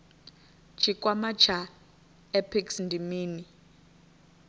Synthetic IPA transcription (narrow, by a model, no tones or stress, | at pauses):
t͡ʃʰikʼwamat͡ʃʰa | ɛpʰiksndʱimiːni